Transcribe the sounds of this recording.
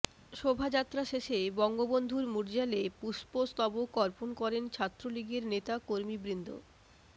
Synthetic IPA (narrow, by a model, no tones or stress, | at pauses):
ʃobʱad͡ʑat̪ːɾaʃeʃebɔŋɡobond̪ʱuɾmuɾd͡ʑalepuʃpost̪ɔbokɔɾponkɔɾent͡ɕʰat̪ːɾoliɡeɾnet̪akoɾmibɾind̪ʱo̰